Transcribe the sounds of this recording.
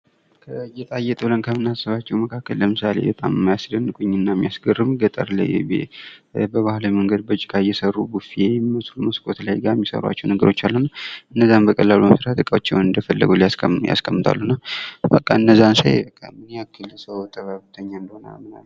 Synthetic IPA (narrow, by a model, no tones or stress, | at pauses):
kʰəjɛt̪ʼajɛt̪ʼɨblənkʰəmɨnasəβat͡ʃːɛwməkʰakːəlːləmɨsalḛbət̪ʼamɨmːajasd̪ənːɨkʼuɲːɨnːamːijasɡərːɨmɡət̪ʼə̰ɾlə̰jɛ̰bḛbəβahlməŋɡəd̪̚bət͡ʃʼːikʼajɛsərːubufijɛmiməsluməskʼo̞t̪lajɡamːisə̰ɾwa̰t͡ʃːɛwnəɡəɾo̞t͡ʃːalːuhnːaʔɨnːəzːambəkʼəlːaluməsɾat̪ɨkʼawot͡ʃːɛwnɨnd̪əfəlːɨ̰ɡulijasja̰skʼəmːɨt̪ʰa̰lːunːabəkʼːaɨnːəzːansa̰jkʼamɨneakːɨlsəwt̪ʰəβaβɨt̪ʰəɲːaɨnd̪əhona̰lmɨna̰lː